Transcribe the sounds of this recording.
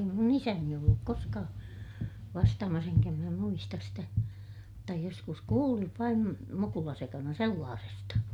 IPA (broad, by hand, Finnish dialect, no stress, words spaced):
mun isæni olːuk koskɑː ʋɑstɑːmɑs eŋkæ minæ muistɑs sitæ mutːɑ joskus kuːliʋ ʋɑim mukulɑsekɑnɑ selːɑːsestɑ